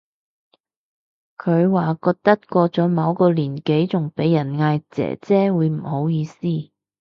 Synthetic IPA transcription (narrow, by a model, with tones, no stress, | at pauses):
kʰɵ˨˧ɥwaː˨˩kɔː˧k̚t̪ɐ˥t̚kɔː˧t͡sɔː˨˥mɐ˨˧wkɔː˧liː˨˩nke˨˥jt͡sʊ˨˩ŋpe˨˥jːɐ˨˩nŋaː˧jt͡sɛ̰ː˨˥t͡sɛː˥wuː˨˧jm̩˨˩ho˨˥wjiː˨˧siː˥